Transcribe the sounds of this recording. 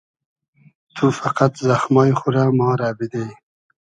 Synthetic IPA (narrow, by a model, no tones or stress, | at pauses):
t̪ʰufaqat̪zaxmɑːjxuɾamɑːɾaːbid̪ej